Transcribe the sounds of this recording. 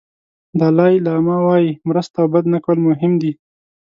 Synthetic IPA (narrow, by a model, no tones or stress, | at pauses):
d̪ɑlɑjilamawɑjimɾəst̪awbad̪nakwəlmʊɦɪmd̪i